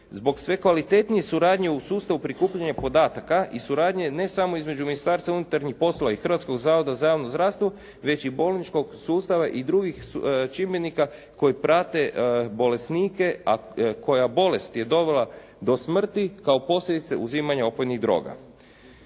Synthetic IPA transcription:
zbo̞ksʋe̞kʋalit̪e̞t̪nije̞suɾaːd̪ɲe̞usuːst̪aʋupɾikuːpʎaɲapo̞d̪aːt̪akaʔisuɾaːd̪ɲe̞ne̞samo̞izme̞d͡ʒuminist̪aːɾst̪vaunut̪aɾɲixpo̞slˠoʋaixr̩ʋat̪sko̞ɡzaːʋo̞d̪azajaːʋnozɾaːst̪ʋo | ʋe̞t͡ɕibo̞lˠnit͡ʃko̞ɡsuːst̪aʋaʔid̪ɾuɡixt͡ʃimjenika | ko̞jipɾat̪e̞bo̞le̞sniːke̞ako̞jabo̞le̞st̪je̞d̪o̞ʋe̞lˠa | d̪o̞smr̩t̪ikaopo̞slʎʲed̪it̪se̞̰ʔuziːmaɲao̞pojniɣd̪ɾo̞̰ːɡa̰

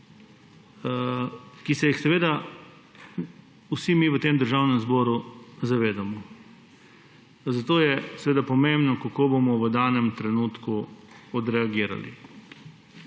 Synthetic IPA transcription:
kisɛjixsɛʋeːd̪a | usimiʋət̪emd̪əɾʒawnɛmzbɔːɾuzaʋeːd̪amɔ | zat̪oːjɛsɛʋeːd̪apɔmẽmbnɔkakoːbomɔʋəd̪aːnɛmt̪ɾɛnut̪kuɔd̪ɾɛaɡiːɾa̰lḭ

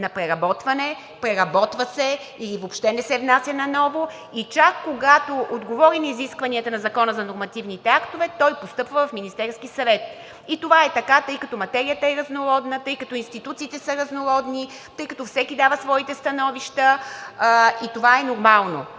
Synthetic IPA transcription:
nɐpɾɛɾɐbɔt̪vɐnɛ | pɾɛɾɐbɔt̪vɐsɛ | ilivopʃt̪ɛnɛsɛvnasʲjɐnɐnɔvo | it͡ʃakːoɡat̪oʔod̪ɡovɔɾimiziskvɐniɐt̪ɐnɐzɐkɔnəzɐnoɾmɐt̪ivnit̪ɛakt̪ovɛt̪ɔjpost̪ɤpvəvɐfminist̪ɛɾskisɐvɛt̪̚ | it̪ovaɛt̪ɐkat̪ɤjkɐt̪ɔmɐt̪ɛɾijət̪əɛɾɐznoɾɔd̪nət̪ɤjkɐt̪ɔinst̪it̪ut̪siːt̪ɛsəɾɐznoɾɔd̪ni | t̪ɤjkɐt̪ɔfsɛkʲid̪avəsvɔit̪ɛst̪ɐnɔviʃt̪ə | it̪ovaɛnoɾmalˠno

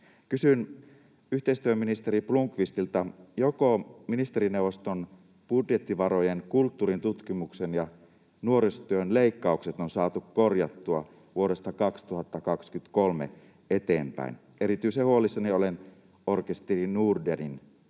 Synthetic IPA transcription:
kysyn | yht̪eist̪yøminist̪eɾipluŋkʋist̪ilt̪ɑjokominist̪e̞ɾineuwʋːost̪on | b̥udjet̪ːiʋɑɾojenkult̪ːuːɾint̪ut̪kimuksenjɑ | nuoɾest̪yønle̞ikːɑukset̪onsɑːt̪ukko̞rjɑt̪ːuɑ | ʋuoɾe̞st̪ɑkɑkst̪uhɑt̪ːɑkɑkskyt̪kolmḛ | e̞t̪eːmpæ̰in | e̞ɾit̪yisehuolisːɑniolen | orkest̪erinurderin

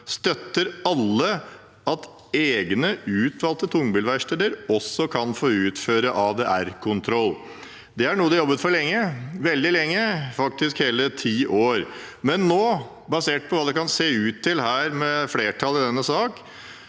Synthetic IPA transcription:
st̪œt̪ːəɾɑlːə | ɑt̪ | eːɡnəʉːt̪ʰʋɑːlt̪ət̪ʰʊŋbʏːlʋæɪʂʈeːd̪əɾɔsːɔkʰɑnfoːʉːt̪føːɾəʔɑʋd̪ɛʔæɾkʰʊnt̪ʰɾɔlː | d̪ɛæɳuːəd̪ɛjɔbːət̪fɔɾɭɛŋːəʋɛld̪ɪlɛŋːəfɑk̚t̪ɪskheːlət̪ʰiːʔoːɾ | mɛnːoː | bɑseːʈ̚pʰɔʋɑːd̪ɛkɑnseːʉːt̪ʰːɪlhæːɾmɛfleːʈʰɑləd̪ɛnːəsɑːk

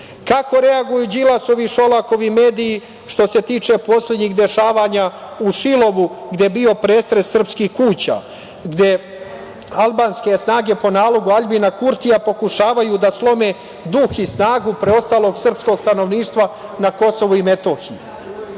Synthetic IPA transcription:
kako̞ɾe̞aɡujuːd͡ʑilaso̞ʋiʃo̞lˠako̞ʋime̞ːd̪ijː | ʃt̪o̞se̞t̪iːt͡ʃe̞po̞slʲe̞d̪ɲiɡd̪e̞ʃaːʋaːɲa | uʃilo̞ʋuɡd̪jebio̞pɾe̞ːst̪ɾesːr̩pskihkuːt͡ɕa̰ː | ɡd̪je̞ | alˠbaːnske̞snaːɡe̞po̞naːlo̞ɡuaʎbinakuɾt̪iapo̞kuʃaːʋajud̪aslˠo̞me̞ː | d̪uxisnaːɡupɾeo̞st̪aːlˠo̞ɡsr̩psko̞ɡst̪ano̞ʋniːʃt̪ʋanako̞so̞ʋuime̞t̪o̞ːxiju

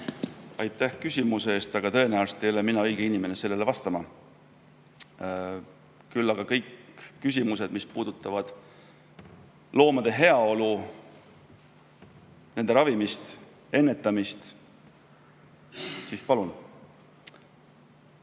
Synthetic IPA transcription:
ɑjt̪ːˑæhkysʲimuseeːst̪ɑɡ̥ɑt̪ɤ̞e̞næulst̪e̞joleminɑɤjɡ̥einime̞ne̞se̞lːe̞le̞vɑst̪ɑmɑ | kylːɑɡ̥ɑkɤ̞jkːys̬ʲimuse̞d̪̥mispuːd̪̥ut̪ːˑɑvɑd̪̥ | lo̞ːmɑd̪̥e̞ɦe̞ɑo̞lu | ne̞nd̪e̞ɾɑvimist̪ | e̞nːe̞t̪ːˑɑmist̪ | sispɑlun

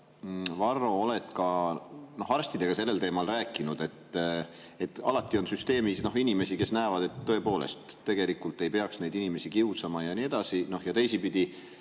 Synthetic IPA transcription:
vɑrːo̞ole̞t̪kɑno̞hɑrst̪id̪e̞ɡɑse̞lːe̞lt̪eːmɑlræːkːˑinud̪̥e̞t̪ː | et̪ːˑɑ̰lɑt̪ːˑio̞nsyst̪e̞ːmisno̞ɦinime̞sike̞snæevɑd̪̥e̞t̪ːɤ̞e̞po̞ːle̞̰st̪ːe̞ɡ̥e̞likːult̪e̞jpe̞ɑksne̞jd̪inime̞sikiusɑmɑjɑnie̞d̪̥ɑsino̞hjɑt̪e̞jsipid̪̥i

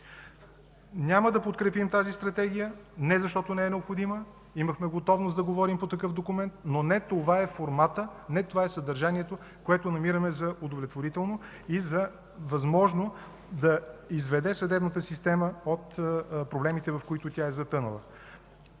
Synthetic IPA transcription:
nʲaməd̪ɐpot̪̚kɾɛpimt̪azist̪ɾɐt̪ɛɡ̟ʲijənɛzɐʃt̪ɔt̪onɛɛnɛopxod̪imə | iməxmɛɡot̪ɔvnosd̪ɐɡovɔɾimpot̪ɐkɤfd̪okʊmɛnt̪nonɛt̪ovaɛfoɾmat̪ənɛt̪ovaɛsɐd̪ɐɾʒaniɛt̪o | koɛt̪ʊnɐmiɾəmɛzɐʊd̪ovlʲɛt̪voɾit̪ɛlˠno | izɐ | vɐzmɔʒno | d̪ɐizvɛd̪ɛsɐd̪ɛbnət̪əsist̪ɛməot̪pɾoblɛmit̪ɛvɐfkoit̪ʊt̪ʲjaɛzɐt̪ɤnə̰lˠə̰

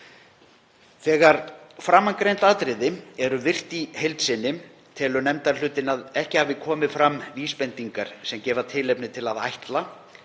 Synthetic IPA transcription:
θɛːɣaɾ̥fɾamːaŋkɾejnt̪aːt̪ɾɪðɪɛɾʏvɪr̥t̪ihejlt̪sɪnːɪm | t̪ʰɛːlʏnɛmt̪aɾ̥l̥ʏːt̪ɪnaðɛhcɪhavɪkʰɔːmɪfɾamːviːspɛnt̪iŋkaɾ̥sɛmcɛːvat̪ʰɪlepnɪt̪ʰɪlaða̰jht̪la

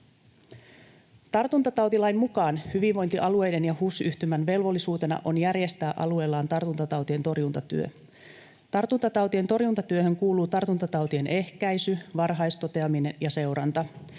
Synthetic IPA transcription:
t̪ɑrt̪unt̪ɑt̪ɑwt̪ilɑjmmukɑːnhyʋiʋʋo̞jnt̪iʔɑlue̞jde̞njɑhusyht̪ymænʋe̞lʋo̞lːisuːt̪e̞nɑ̰ʔo̞njærje̞st̪æːʔɑ̰lue̞ːlːɑːnt̪ɑrt̪unt̪ɑt̪ɑwt̪ie̞nt̪o̞rjunt̪ɑt̪y̰ø̞̰ | t̪ɑrt̪unt̪ɑt̪ɑwt̪ie̞nt̪o̞rjunt̪ɑt̪yø̞hø̞ŋkuːluːt̪ɑrt̪unt̪ɑt̪ɑwt̪ie̞nʔe̞hkæjsyʋɑrɦɑjst̪o̞t̪e̞ɑmine̞njɑse̞wɾɑnt̪ɑ

